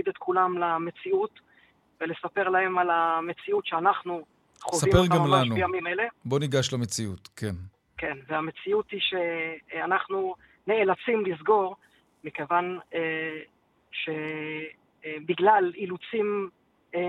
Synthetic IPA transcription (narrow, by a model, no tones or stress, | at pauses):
id̪et̪kulamlame̞t͡siut̪ | velesape̞ʁlahe̞malame̞t͡siutʃeanaχnu | χovsaipeʁɡaamamlaʃnuejamimele̞bo̞niɡaʃlamet͡siut̪kʰen | ke̞nveame̞t͡siut̪iʃe̞anaχnu | ne̞elat͡simlizɡo̞ʁ | mikevan | ʃe̞ | biɡlalilut͡sim